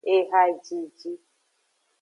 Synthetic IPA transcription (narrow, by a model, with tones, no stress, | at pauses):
e˦ɦa˦d͡ʒi˨d͡ʒi˦